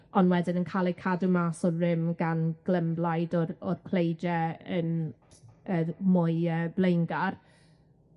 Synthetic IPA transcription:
ɔnwɛdɪnənkʰalˠikʰadumaːsɔrɪmɡanɡ̥ləmblˠajdɔɔrkʰl̥ejd͡ʒɛən | əːmʊjəːblejnɡar

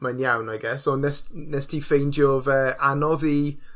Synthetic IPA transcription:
manjawnajɡɛsonɛsnɛstʰifejndjɔvɛʔanɔði

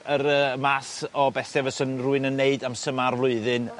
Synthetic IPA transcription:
əɾəmasɔbɛθɛvəsənruɨnənːeɨdamsəmarvlˠʊɨðɨn

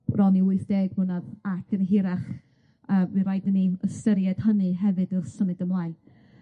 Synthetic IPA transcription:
rɔniʊɨθd̥eːɡwʊnaðatʰɨnɦɪɾaχ | əːwɨɾajdəniəstəɾjɛd̥hənɨɦɛvɨdɨrsəmɨdəmlajl

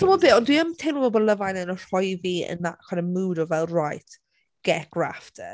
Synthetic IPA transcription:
tʰɔmɔbeːɔndwiəmtʰejməbɔbɔlˠəvajnənɔr̥ɔjviːə̰nakʰanənmuːdɔvɛlˠrajtʰ | ɡ̥ɛɡ̥ra̰ftʰə

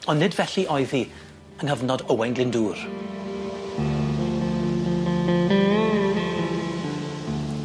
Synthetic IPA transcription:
ɔnnːɪdvɛɬiʔɔjði | ənhəvnɔdəwɛnɡlɪnduːr

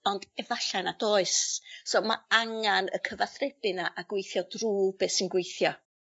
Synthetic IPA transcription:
ɔnd̥ɛvaɬanadoːɨssoma̰aŋanə̰kʰəvaθrɛb̥ɨnaʔaɡwejθjɔdruːbesɪnɡwejθjɔ

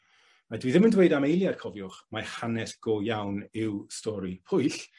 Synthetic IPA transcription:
adwiðɪməndwejdamejlˠjarkʰɔvjʊχmahanɛsɡ̥ɔːjawnɪwstɔɾipʰʊjɬ

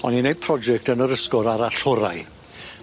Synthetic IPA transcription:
ɔninejd̥̚pʰrɔd͡ʒɛk̚tənəɾəskɔɾaɾaɬʊɾaj

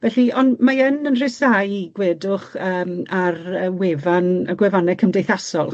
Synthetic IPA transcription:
vɛɬiɔnmaənənr̥ɪsajiɡwɛdʊχəːmarəːwɛvanaɡwɛvanɛkʰəmdejθasɔlˠ

